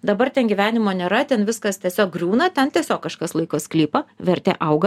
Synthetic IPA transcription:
d̪ɐbɐrt̪ʲɛnɡʲiʋʲæːnʲɪmoːnʲeːɾɐt̪ʲɛnʋʲɪskɐst̪ʲiɛsʲoːk̚ɡrʲuːnɐt̪ʲɛnt̪ʲiɛsʲoːkːɐʃkɐslˠɐɪkoːsklʲiːpɐʋʲɛɾʲt̪ʲḛːʔɐʊɡɐ

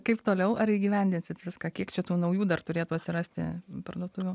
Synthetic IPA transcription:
kɐɪpt̪oːlʲɛʊʔɐɾiːɡʲiːʋʲɛnʲd̪ʲɪnʲsʲɪt̪ʋʲɪskɑːkʲiɛkt͡ʃʲɛt̪uːnɐʊjuːd̪ɐrt̪ʊɾʲeːt̪uːɐt̪ʲsʲɪɾɐsʲt̪ʲɪ̰pɐrd̪uɔt̪ʊʋʲuː

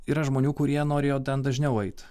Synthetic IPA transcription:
iːɾɐʒmoːnʲuːkʊɾʲiɛnoːɾʲeːjoːt̪ʲɛnd̪ɐʒʲnʲɛʊɛɪt̪ʲ

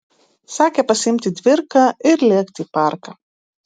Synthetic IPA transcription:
sɑːkʲɛpɐsʲɪmʲt̪ʲɪd̪ʲʋʲɪɾkɑɪɾlʲeɛkt̪ʲiːpɑˑɾkɑ

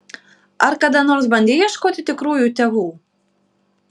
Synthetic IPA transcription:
ɐɾkɐd̪ɐnoːɾsbɐnʲd̪ʲeːjjiɛʃkoːt̪ʲɪt̪ʲɪkɾuːjuːt̪ʲɛʋuː

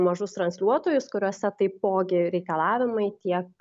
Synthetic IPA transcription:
mɐʒʊst̪ɾɐnʲsʲlʲuɔt̪oːjʊskʊɾʲuɔsʲɛt̪ɐɪpoːɡʲɪɾʲɛɪkɐlˠɑːʋʲɪmɐɪt̪ʲiɛk

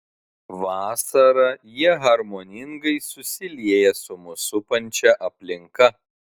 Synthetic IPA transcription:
ʋɑːsɐɾɐjiɛɦɐɾmoːnʲɪŋɡɐɪsʊsʲɪlʲiɛjɛsʊmʊsʊpɐnʲt͡ʃʲɛʔɐpʲlʲɪŋkɐ

